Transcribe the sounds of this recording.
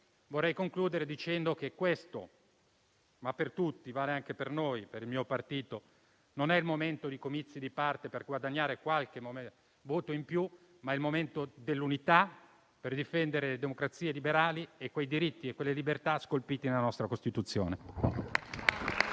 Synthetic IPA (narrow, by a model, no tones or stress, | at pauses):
vorːɛjkoŋkluːd̪eɾed̪it͡ʃɛnd̪okekːwest̪o̰ | mapːert̪ut̪ːivaːleaŋk̟epernojpeɾilmiːopart̪iːt̪o | nonɛilmoment̪od̪ikomit̪sːid̪ipart̪eperɡwad̪aɲːaːɾekwalk̟e | voːt̪oimpju | maɛilmoment̪od̪elːunit̪a | perd̪ifɛnd̪eɾeled̪emokɾat̪siːelibeɾaːliekːwejd̪iɾit̪ːiekwelːelibert̪askolpiːt̪inelanɔst̪ɾakost̪it̪ut̪sːjo̰ːne